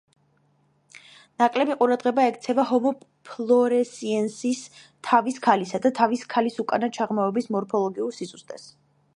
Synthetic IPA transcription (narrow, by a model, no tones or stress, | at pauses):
nakʼlɛbiqʼuɾad̪ʁɛbaɛkt̪sʰɛvaɦɔmɔpʰlˠɔɾɛsiɛnsis | t̪ʰaviskʰalisad̪at̪ʰaviskʰalisukʼa̰nat͡ʃʰaʁmaɔbismɔɾpʰɔlˠɔɡiuɾsisust̪ʼɛs